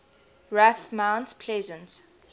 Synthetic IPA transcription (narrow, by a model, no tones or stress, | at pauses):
ɹafmãʊ̃ntpʰlɛzə̃ns